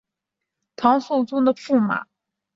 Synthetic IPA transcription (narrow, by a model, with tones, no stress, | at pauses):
t̪ʰɑ˧˥ŋso˥˩ʊt͡sʊ˥ŋd̪ə˨fu˥˩ma̰˨˩˦